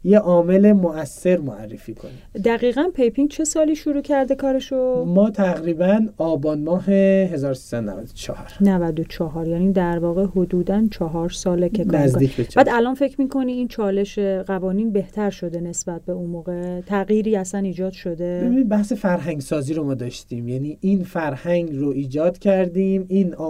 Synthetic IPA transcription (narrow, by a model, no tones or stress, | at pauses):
jeʔɒːme̞le̞moæsːe̞ɾmoærːefiːkʰo̰nid̪æɣiːɣænpʰejpʰiŋɡt͡ʃʰe̞sɒːliːʃuɾuːcʰæɾd̪e̞kʰɒːɾe̞ʃomɒːt̪ʰæɣɾiːbænɒːbɒːnmɒːɦeɦe̞zɒːɾosi̥sæd̪onæ̰væd̪o̥t͡ʃʰɒ̰hɒɾnævæd̪ot͡ʃʰɒɦɒɾjæːnid̪æɾvɒːɣehod̪uːd̪ænt͡ʃʰɒɦɒːɾsɒːlekʰekkʰnæzd̪iːcʰbeb̥æːd̪ælɒnfe̞cʰɾmiːkʰo̞niiːnt͡ʃʰɒːle̞ʃeɣævɒːniːnbe̞ht̪ʰæɾʃo̞d̪e̞ne̞sbæt̪̚be̞unmoːɣe̞t̪ʰæɣjiːɾiːæsæniːd͡ʒɒːd̪̥ʃo̞d̪e̞ebinibæhse̞fæɾɦæŋɡsɒːziːɾomɒːd̪ɒːʃt̪imjæniʔinfæɾhæŋɡɾoiːd͡ʒɒːd̪cʰæɾd̪imin